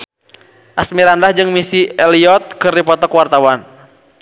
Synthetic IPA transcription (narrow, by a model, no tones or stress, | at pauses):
ʔasmiɾandahd͡ʒɨŋmisiɛliɔt̪̚kɨripɔt̪ɔkwart̪awan